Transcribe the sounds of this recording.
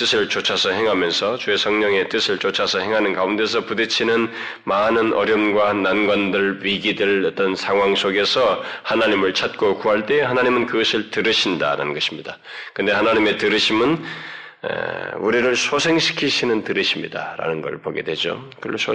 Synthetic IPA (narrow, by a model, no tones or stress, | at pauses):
t͈ɯsʰɯɭt͡ɕot͡ɕʰasʰʌɦe̞ŋɦamjʌnsʰʌt͡ɕuesʰʌŋɲʌŋe̞t͈ɯsʰɯɭt͡ɕot͡ɕʰasʰʌɦe̞ŋɦanɯnkaunde̞s̬ʰʌpudet͡ɕʰinɯn | manɯnʔʌ̰ɾjʌmɡwananɡwandɯɭɥiɡidɯɭʌt͈ʌnsʰaŋɦwaŋs͈oɡe̞sʰʌhanaɲimɯɭt͡ɕʰat̚k͈okuɦaɭt͈e̞hanaɲimɯnkɯɡʌsʰɯɭtɯɾɯɕʰinda̰ɾa̰nɯnɡʌɕʰi̥mɲida | kɯnde̞hanaɲime̞tɯɾɯɕʰimɯn | ḛuɾiɾɯɭsʰosʰe̞ŋɕʰi̥kʰiɕʰinɯntɯɾɯɕʰimɲḭda̰ɾa̰nɯnɡʌ̰ɭpoɡe̞̰dwe̞d͡ʑo̰kɯ